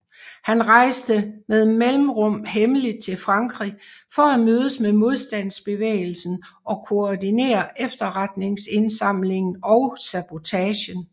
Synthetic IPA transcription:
hænʁɑ̈ɪsd̥əmeðˠmelm̩ʁɔ̽m̰ɦemlid̥̚t͡sʰe̝lfʁɑ̈ŋɡ̥ʁḭfɒ̽æmøːð̞ˠəsmemo̝ð̞ˠsd̥æn̰sb̥e̝ʋḛːɪl̩sn̩ɒ̽kʰo̝ɒdine̝̰ːɐʔefd̥ɐʁad̥ne̝ŋse̝nsɑ̈m̰le̝ŋn̩ɒʊsæb̥o̝t͡sʰɛːɕən

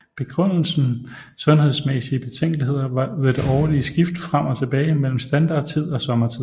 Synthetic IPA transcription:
b̥e̝ɡ̥ʁœn̰l̩sn̩ | sɔ̽nhe̝ðˠsmesiəb̥e̝t͡sʰeŋ̰ɡ̥liɦe̝ð̰ˠɐʋɑ̈ʋed̥əɒʊlisɡ̥ifd̥fʁam̰ɒ̽t͡sʰe̝b̥ɛːɪmel̰m̩sd̥ænd̥ɑ̈ːd̥t͡sʰið̰ˠɒ̽sɒ̽mɐt͡sʰið̰ˠ

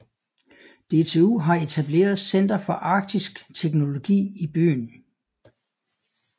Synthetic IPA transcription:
d̥e̝t͡sʰe̝uːɦɑ̈e̝t͡sʰæb̥le̝̰ːɐð̞̩ˠsen̰d̥ɐfɒ̽ʔɑ̈ːɡ̥̚d̥isɡ̥t͡sʰeɡ̥no̝lo̝ɡ̥ḭːib̥y̰ːn

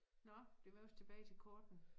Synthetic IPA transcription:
nɒd̥e̝ʋɑɒ̽st͡sʰe̝b̥ɛːɪt͡sʰe̝lkʰɒːd̥n̩

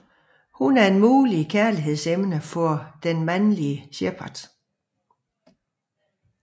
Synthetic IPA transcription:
hunæɐe̝nmuːlikʰæɐliɦe̝ð̰ˠsemnəfɒd̥enmænliəɕeɐpʰɑd̥

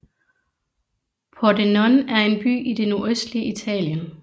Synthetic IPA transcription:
pʰɒdenɔnæɐe̝nb̥y̰ːʔid̥e̝no̝ɐøsd̥liit͡sʰɛ̰ːljən

